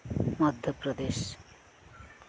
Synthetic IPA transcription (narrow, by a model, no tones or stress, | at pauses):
mʌd̪ʱjopɾod̪eʃ